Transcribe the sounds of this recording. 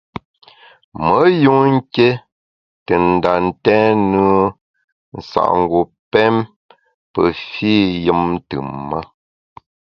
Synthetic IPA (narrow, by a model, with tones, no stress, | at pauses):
mə˨˦ju˦ŋŋ̩˦ke˦ | tə˨n̩˨da˨n̩˦tɛ̃ː˦nə˦ | n̩˨sa̰˨ʔŋ˨ɡu˨ | pɛ˦m | pə̰˨fiː˦jɨ˦m˦tɨː˨a˦